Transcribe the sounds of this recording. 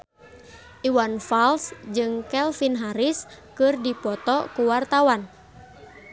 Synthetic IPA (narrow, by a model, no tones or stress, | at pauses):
ʔiwanfalsd͡ʒɨŋkɛlfinɦaɾiskɨrdipɔt̪ɔkuwart̪awan